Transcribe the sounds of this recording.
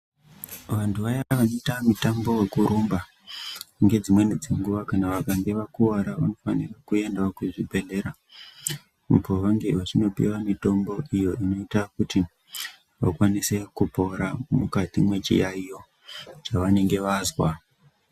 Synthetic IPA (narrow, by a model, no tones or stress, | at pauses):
ʋantʰuʋajaʋanoitamutambo̞we̞kuɾumba | ŋɡe̞d͡zimwe̞ned͡zeŋɡuʋakanaʋakaŋɡeʋakuaɾaʋano̞fanirakuje̞ndakuʐibʱe̞nde̞ɾa | mupoʋaŋɡeʋat͡ʃino̞pḭwamito̞mbo̞ijo̞ʔino̞itakuti | ʋa̰kwanise̞kupo̞ɾamukatimwe̞t͡ʃḭjaijo̞ | t͡ʃaʋane̞ŋɡe̞ʋazwa